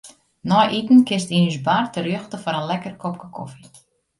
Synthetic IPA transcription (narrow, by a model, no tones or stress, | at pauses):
nɔjʔitn̩kɪstinysbartərøəxtəfɔɾənlɛkərkʰɔp̚kə̥kʰɔ̰fi